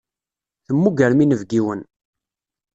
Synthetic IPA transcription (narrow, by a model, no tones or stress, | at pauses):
θəmːuɡəɾminəvɡiwən